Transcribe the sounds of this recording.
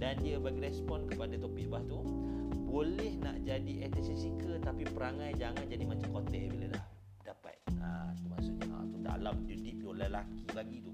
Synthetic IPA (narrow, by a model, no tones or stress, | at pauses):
dandiəbaɡiɾɛspɔnkəpadat̪ɔpiʔbaht̪u | bolɛhna̰ʔd͡ʒadiʔɛt̪ɛsisikət̪apipəɾaŋajd͡ʒaŋand͡ʒadimat͡ʃamkot̪ɛbilada̰h | dapa̰t̪̚at̪umasʊʔɲaha̰t̪uda̰lamd͡ʒudip̚dolalakilaɡit̪u